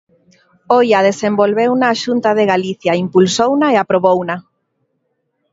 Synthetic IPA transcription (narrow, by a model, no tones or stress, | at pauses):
ojað̞esembolβewnaːʃunt̪að̞eɣaliθjaimpulsownaeapɾoβowna